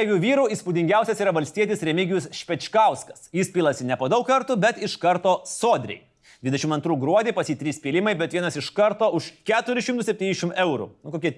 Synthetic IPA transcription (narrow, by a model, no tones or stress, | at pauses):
ɛjʲuːʋʲiːɾuiːspud̪ʲɪŋʲɡʲæˑʊsʲɛsiːɾɐʋɐlʲsʲt̪ʲiɛt̪ʲɪsɾʲɛmʲɪɡʲɪjʊsʃʲpʲɛt͡ʃkɐˑʊskɐsjɪspʲiːlˠɐsʲɪnʲɛpoːd̪ɐʊkkɐɾt̪ʊbʲɛt̪ɪʃkɐɾt̪oːsoːd̪ʲɾʲɛ̰ɪ | d̪ʲʋʲɪd̪ʲɛʃʲɪmɐnt̪ɾuːɡɾuɔd̪ʲeːpɐsʲjiːt̪ʲɾʲiːspʲilʲɪmɐɪbʲɛt̪ʋʲiɛnɐsɪʃkɐɾt̪oːʊʃkʲæːt̪ʊɾʲɪʃʲɪmt̪ʊsʲɛp̚ʲt̪ʲiːnʲɪʃʲɪmɛʊɾṵnʊkoːkʲiɛ